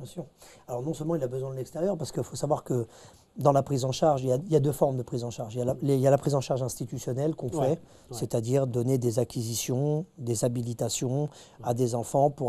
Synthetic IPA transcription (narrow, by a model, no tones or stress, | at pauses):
sɔ̃alɔʁnɔ̃sœlmɑ̃ilabəzwɛ̃d̪əlɛkst̪eʁjœʁpaʁsə̥kəfosavwaʁkə | d̪ɑ̃lapχizɑ̃ʃaʁʒiljailjad̪øfɔʁmd̪əpχizɑ̃ʃaʁʒijaaleljalapχizɑ̃ʃaʁʒɛ̃st̪it̪ysjɔnɛlkɔ̃fɛ | set̪ad̪iʁd̪ɔned̪ezakʲizisjɔ̃d̪ezabilit̪asjɔ̃ | ad̪ezɑ̃fɑ̃pu